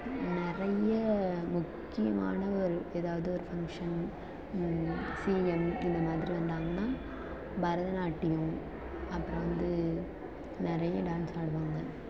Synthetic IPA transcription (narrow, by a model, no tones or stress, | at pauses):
nɪɾɐjɐmʊkːɪjɐma̰ːnɐɔɾɯeːðaːʋɐðɯɔɾɯfɐŋkʂɐn | siːɛmɪnd̪ɐmaːðɪɾiʋɐnd̪aːŋɡɐnːaː | bɐɾɐðɐnaːʈːɪjʊ̃ | ɐpːɯɾɐ̃ʋɐnd̪ɯ | nɪɾɐjɐɖaːnsaːɽɯʋaːŋɡɐ